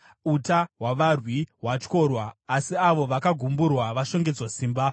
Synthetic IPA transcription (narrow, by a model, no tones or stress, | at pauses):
utaɦwaʋarwiɦwat͡ʃko̞rwaːsiaʋo̞ʋakaɡʱumburwaʋaʃo̞ŋɡe̞d͡zwosiːmba